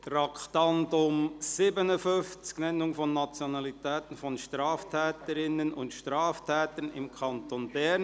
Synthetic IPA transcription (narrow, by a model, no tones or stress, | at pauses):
tɾɑkχt̪ɑndʊmsɪbənəfʏnft͡sknɛnːʊŋfɔnːat͡sjɔnɑlit̪ɛːt̪ən̩fɔnʃtɾɑːftʰɛːtəɾɪnənʊ̰ntʃtɾɑːftʰɛːt̪ənɪ̰mkʰɑnt̪onbɛn